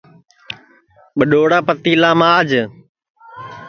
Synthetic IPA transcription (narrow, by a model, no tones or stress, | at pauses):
ɓəɗoːɽaːpət̪iːlaːmaːd͡ʒ